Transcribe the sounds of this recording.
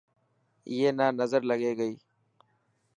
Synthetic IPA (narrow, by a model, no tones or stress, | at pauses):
jeːnaːnɐzəɾlɐɡeːɡəiː